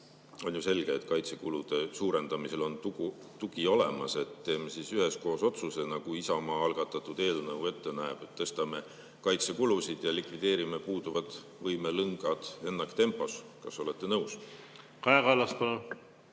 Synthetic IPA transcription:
o̞njuse̞lɡ̥eːt̪ˑkɑjt̪se̞kulud̪̥e̞suːɾe̞nd̪̥ɑmise̞lo̞nt̪u | t̪uɡ̥io̞lemɑse̞t̪t̪ːe̞ːmesisyɦe̞sko̞ːso̞t̪suse̞nɑɡ̥uisɑmɑːɑlɡ̥ɑt̪ːˑɑt̪ːˑud̪e̞ːlnɤwe̞t̪ːe̞næeb̥e̞t̪ːɤ̞st̪ɑme̞ | kɑjt̪sekulusid̪̥jɑlikvid̪̥e̞ːɾime̞puːd̪uvɑt̪ˑ | vɤjmelɯŋɡ̥ɑd̪̥e̞nːɑkt̪e̞mpːˑo̞skɑso̞le̞t̪ːe̞nɤuws | kɑɑɡɑlɑspɑlon

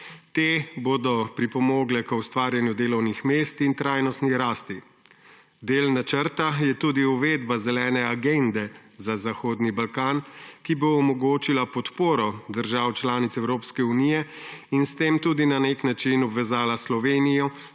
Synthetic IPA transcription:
t̪eːboːd̪ɔpɾipɔmoːɡlɛkəwst̪ʋaːɾjanjud̪eːlɔwnixmeːst̪int̪ɾaːjnɔst̪niɾaːst̪i | d̪eːlnat͡ʃəɾt̪ajɛt̪uːd̪iuʋeːd̪bazɛlɛːnɛaɡend̪ɛzazaxoːd̪nibalkaːnkiboːmɔɡoːt͡ʃilapɔt̪poːɾɔd̪əɾʒaːwt͡ʃlaːnit̪sɛwɾoːpskɛunijɛinst̪eːmt̪uːd̪inaneknat͡ʃinɔbʋɛzaːlaslɔʋeːnijɔ

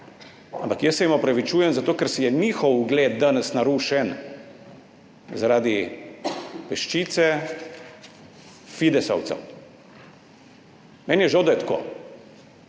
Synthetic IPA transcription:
ampakjəsːɛimɔpɾaʋit͡ʃuːjɛmzat̪oːkɛɾsijɛniːxɔwuɡleːd̪̚d̪anɛsnaɾuːʃɛn | zaɾaːd̪i | pɛʃt͡ʃiːt̪sɛ | fid̪ɛsɐ̰wt̪sɛ̰w | mɛːnjɛʒawd̪ajɛt̪ko̰ː

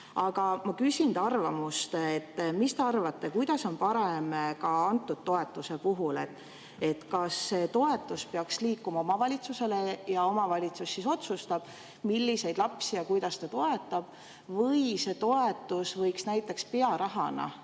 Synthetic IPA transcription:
ɑɡ̥ɑmɑkysʲind̪ɑrvɑmust̪et̪ːmist̪e̞ɑrvɑt̪ːe̞kujd̪ɑso̞npɑɾe̞mkɑɑnt̪ːˑud̪̥̚t̪ːo̞e̞t̪ːˑuse̞puɦule̞t̪ːˑ | e̞t̪kɑsːe̞t̪o̞e̞t̪ːˑuspeɑksliːkːumɑo̞mɑvɑlʲit̪suse̞le̞jɑo̞mɑvɑlʲit̪susːiso̞t̪sust̪ɑb̥ | milːise̞jd̪̥lɑpsijɑkujd̪̥ɑst̪ɑt̪o̞e̞t̪ːˑɑb̥ | vɤjse̞t̪o̞e̞t̪ːˑusvɤjksnæjt̪ːˑe̞kspe̞ɑɾɑɦɑnɑ̰

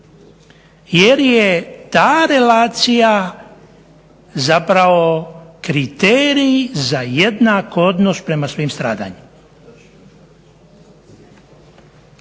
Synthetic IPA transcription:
jeɾjet̪aːɾe̞laːt̪sija | zapɾaʋo̞kɾit̪eːɾizajed̪nako̞d̪nospɾe̞masʋiːmst̪ɾa̰ːd̪a̰ɲim

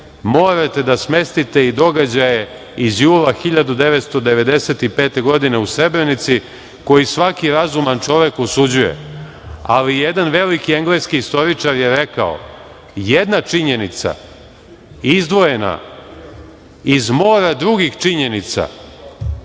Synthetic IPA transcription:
mo̞ːɾat̪e̞d̪asme̞st̪it̪e̞id̪o̞ɡad͡ʑaje | izjuːlaxiʎad̪ud̪e̞ʋet̪st̪o̞d̪eʋe̞d̪e̞set̪ipeːt̪e̞ɡo̞d̪ineusɾe̞bɾenit̪si | ko̞jisʋakiɾazumant͡ʂo̞ʋekosud͡ʑuje̞̰ | a̰lijed̪anʋe̞likieŋɡleskiist̪o̞ɾit͡ʂaɾjeɾe̞ka̰o̰ | jed̪nat͡ʂiɲe̞nit̪sa̰ | izd̪ʋo̞je̞na̰ | izmo̞ːɾad̪ɾuɡixt͡ʂiɲe̞nit̪sa̰

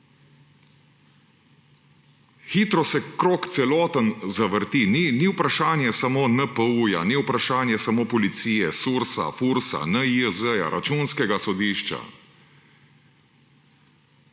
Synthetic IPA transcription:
xiːt̪ɾɔsɛkɾoːkt̪sɛlɔːt̪ənzaʋəɾt̪ininiwpɾaʃaːnjɛsamoːnəpəuja̰niwpɾaʃaːnjɛsamoːpɔlit̪siːjɛsuːɾsa̰fuːɾsa̰nəiəzəja̰ɾʔat͡ʃuːnskɛɡasɔd̪iːʃt͡ʃa̰

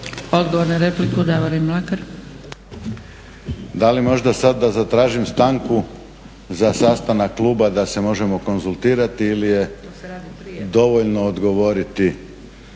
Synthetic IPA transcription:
o̞d̪ɡoʋoɾnaɾeplikud̪aʋolimlakaɾ | d̪alimo̞ʒd̪asad̪ːazat̪ɾaːʒimst̪aŋku | zasaːst̪anakkːlˠuːbad̪ase̞mo̞ʒe̞mo̞ko̞nzulˠt̪iːɾat̪iilije̞ | d̪o̞ʋoʎno̞ːd̪ɡo̞ʋo̞ɾit̪i

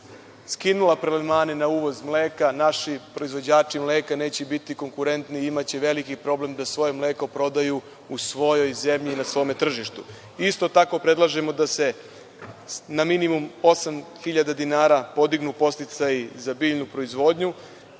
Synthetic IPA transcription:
skinulˠapɾelmaːnenauʋo̞zmleːkanaʃipɾo̞izʋo̞d͡ʑaːt͡ʃimleːkaneːt͡ɕebit̪iko̞ŋkuɾe̞nt̪niimat͡ɕeʋe̞likipɾo̞blemd̪asʋo̞jemleːko̞pɾo̞d̪aju | usʋo̞jo̞jze̞mʎiːnasʋo̞ːme̞t̪r̩ʒiʃt̪u | ist̪o̞t̪ako̞pɾe̞d̪lˠaʒemo̞d̪ase̞ | naminimumo̞samxiʎad̪ad̪inaːɾapo̞d̪iɡnupo̞st̪it̪sajizabiːʎnupɾo̞izʋo̞ːd̪ɲu

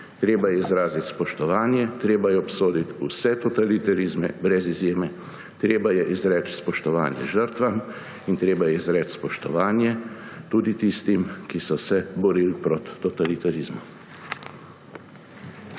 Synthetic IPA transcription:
t̪ɾeːbajɛizɾaːzit̪spɔʃt̪ɔʋaːnjɛt̪ɾeːbajɛɔpsoːd̪it̪usɛt̪ɔt̪alit̪aɾizmɛ̰bɾɛzizjeːmɛ | t̪ɾeːbajɛʔizɾɛːt͡ʃspɔʃt̪ɔʋa̰ːnjɛ̰ʒəɾt̪ʋam | int̪ɾeːbajɛizɾɛːt̪spɔʃt̪ɔʋaːnjɛt̪uːd̪it̪ist̪imkisɔsɛbɔɾiːlpɾɔt̪ːɔt̪alit̪aɾizmɔ

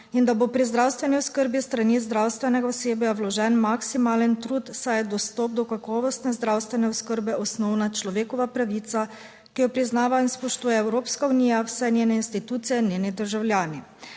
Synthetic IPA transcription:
ind̪abopɾizd̪ɾawst̪ʋɛniɔskəɾbist̪ɾanizd̪ɾawst̪ʋɛnɛɡaɔseːbjawlɔʒɛnmaksimaːlɛnt̪ɾuːt̪sajd̪ɔst̪ɔp̚d̪ɔkakɔːʋɔst̪nɛzd̪ɾawst̪ʋɛnɛɔskəɾbɛʔɔsnɔwnat͡ʃlɔʋeːkɔʋapɾaʋiːt̪sa | kijɔpɾiznaːʋainspɔʃt̪uːjɛɛwɾoːpskauniːjawsɛnʲjeːnɛinst̪it̪uːt̪sijɛnjeːnid̪əɾʒawljaːni

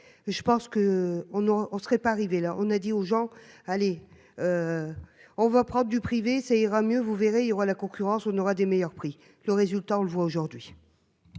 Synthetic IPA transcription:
ʒəpɑ̃skəɔ̃noʔɔ̃sʁɛpaːʁivelaʔɔ̰̃nad̪ioʒɑ̃ale | ø | ɔ̃vapχɑ̃d̪ʁd̪ypχivesaiʁamjøvuveʁeiljɔʁalakɔ̃kʲyʁɑ̃sɔ̃nɔʁad̪emejœʁpχi | ləʁezylt̪aɔ̃ləvwaoʒuʁd̪ɥi

